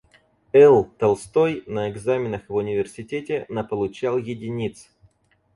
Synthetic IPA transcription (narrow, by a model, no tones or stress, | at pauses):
ɛlˠt̪ɐlˠst̪o̞jnəɪɡzamʲɪnəxvʊnʲɪvʲɪrsʲɪtʲetʲɪnəpəlˠʊt͡ɕalˠjɪdʲɪnʲit̪s